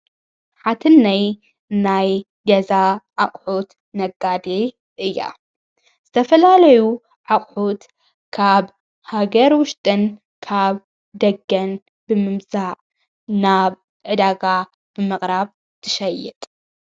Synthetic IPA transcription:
ħat̪ʰɨnːaj | naj | ɡɐzaʕaχʼħut̪ | nɐɡːad̪i | ʔɨjːa̰ | z̥ɨt̪ʰɐfɐlalɐju | ʕaχʼħut̪ | kʰaβ | haɡɐɾwʊʃt̪ʼɨn | kʰaβ | d̪ɐɡːɐn | b̥ɨmɨmzaʕ | naβ | ʕɨd̪aɡa | b̥ɨmɨχʼɾaβ | t̪ʰɨ̥ʃɐjːɛt̪ʼ

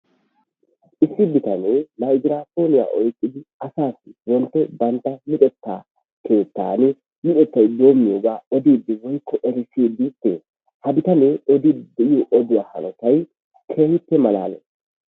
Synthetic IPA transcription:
ʔɪsːɪbɪt̪ɐnɛmɐjd͡ʒɾaːfo̞ːnɪja̰ːʔɔjkʼːɪd̪ɪɐsaːsːɪwɔnt̪ːɛbɐnt̪ːɐmɪt̪ʼɛt̪ːa̰ː | kʰe̞ːt̪ːa̰ːnɪ | mɪᶑ̪ʼɛt̪ːɐjd̪o̞ːmːɪjoːɡaːɔd̪iːd̪ːɪwɔjkʰːɔʔɛɾɪsiːd̪it̪ːɛ | hɐbɪt̪ɐneɔd̪id̪ɛʔɪjoʔɔd̪ʊjaːhɐ̰nɔt̪ɐj | kʰeːhɪt̪ːɛmɐla̰ːnɛ̰

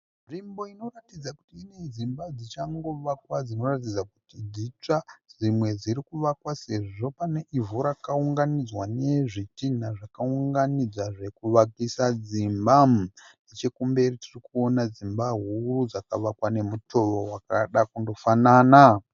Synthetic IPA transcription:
rimbo̞ino̞ratid͡zaku̥tiːne̞d͡zimbad͡zit͡ʃaŋɡo̞ʋakwad͡zino̞rat̬id͡zakutid͡zit͡ʂaʐimwe̞d͡ziɾikuʋakwase̞ʐʐo̞pane̞ʔivuɾakauŋɡanid͡zwane̞ʐitin̤aʐakauŋɡanid͡zwaʐe̞kuʋakisad͡zimbanet͡ʃe̞kumbe̞ritirikuo̞nad͡zimbaɦurud͡zakaʋakwane̞mutʰo̞ʋowakaɗakundo̞fanaːna

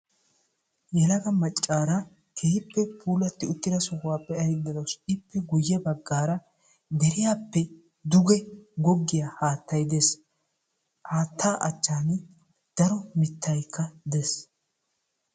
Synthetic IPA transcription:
jɛlɐɡɐmɐt͡ʃʼːaːɾɐ | kʰeːhɪpːɛpʰuːlɐt̪ːɪʊt̪ːɪd̪ɐsɔkʊwaːpʼːɛɐjɪd̪ːɐd̪ɐwsɪpːɛɡʊjːɛbɐɡːaːɾɐ | d̪ɛɾɪjaːpːɛ | d̪ʊɡɛɡɔɡːɪjahaːt̪ːɐjd̪es | haːt̪ʰːaːʔɐt͡ʃːaːn | d̪̥ɐɾɔmɪt̪ːɐjkʰːɐd̪es

